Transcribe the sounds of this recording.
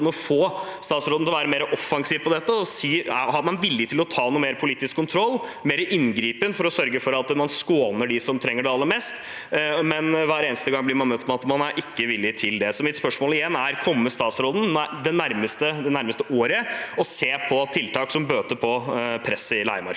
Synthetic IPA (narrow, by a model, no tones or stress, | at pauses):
mɔfoː | st̪ɑːt̪sɾoːd̪n̩ɪlʋæːɾəmeːɾəʔɔfːɑŋsiːʋpʰɔd̪ɛt̪ːəɔsiːhɑɾmɑnʋɪlːɪt̪ʰɪlɔt̪ʰɑːnuːmeːɾpʰʊliːt̪ːɪskʰːʊnt̪ʰɾɔlːmeːɾəʔɪnɡɾiːpənfɔɾɔsœɾɡəfɔɾɑt̪mɑnskoːnəɖɪsɔmt̪ʰɾɛŋːəɖɛɑlːəɾmɛst̪ | mɛnʋæːɾeːnəst̪əɡɑŋblɪɾmɑnmœt̪ːɔmɑt̪mɑnæɾʔɪkːəʋɪlːɪt̪ʰɪld̪ɛsɔmɪt̪spœʂmoːlɪjɛnːæɾkʰɔmːəst̪ɑːt̪sɾoːd̪n̩d̪ɛnæɾməst̪əd̪ɛnæɾməst̪əʔoːɾəɔseːpʰɔt̪ʰːɪlt̪ʰɑːksɔmbøːt̪əpʰɔpʰɾɛsːəɪlæ̰ɪmɑ̰ɾk